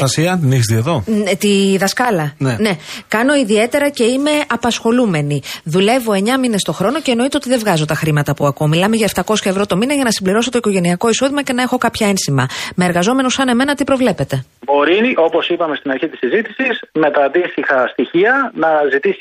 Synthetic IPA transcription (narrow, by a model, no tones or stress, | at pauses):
ɐsiɐt̪niçst̪ieðo̞t̪iðɐskɐlɐnene̞kɐno̞iðie̞t̪e̞ɾɐce̞ime̞ɐpɐsxo̞lume̞niðule̞vo̞e̞ɲɐmine̞st̪o̞xɾo̞no̞ce̞ːno̞it̪eot̪iðe̞vɣɐzo̞t̪ɐxɾimɐt̪ɐpuɐkomilɐmeʝɐe̞ft̪ɐko̞sçɐe̞vɾo̞t̪o̞minɐʝɐnɐsimbliɾo̞so̞t̪o̞iko̞ʝe̞niɐko̞iso̞ðimɐce̞nɐe̞xo̞kɐpçɐe̞nsimɐmeːɾɣɐzo̞me̞nusɐne̞me̞nɐt̪ipɾo̞vle̞pe̞t̪e̞bo̞ɾio̞po̞sipɐme̞st̪inɐɾçit̪isizit̪isismet̪ɐːd̪ist̪ixɐst̪içiɐnɐzit̪isi